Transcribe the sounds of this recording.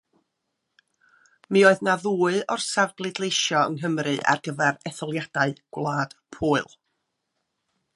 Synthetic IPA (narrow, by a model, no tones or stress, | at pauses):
mioːɨðnaðuːɨɔrsavɡlˠɨdlˠejʃjɔə̰ŋɦəmrɨʔa̰rɡəvɛɾɛθɔlˠjad̥aɨɡ̥wlˠaːd̥pʰuːɨlˠ